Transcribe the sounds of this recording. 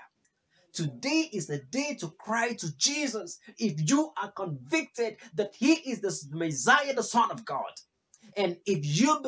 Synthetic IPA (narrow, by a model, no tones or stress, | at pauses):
tʰɨdeɪʔɪzðɨdeɪtukʰɹ̥aɪtʰud͡ʒizəsɪfjuʔakə̃ɱvɪk̚tɪd̚ðæt̚hiʔɪzðəmɨzajəðəsʌ̃nʌvɡɑ̰d | ɨ̃nɪfjub